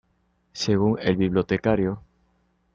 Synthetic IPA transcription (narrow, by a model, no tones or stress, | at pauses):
seɣuŋḛlβiβ̞lot̪ekaɾjo